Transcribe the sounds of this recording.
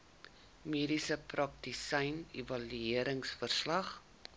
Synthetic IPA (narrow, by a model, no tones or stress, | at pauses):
miːdisəprɐk̚disɐjnevɐlyiəɾəŋsfərslɐχ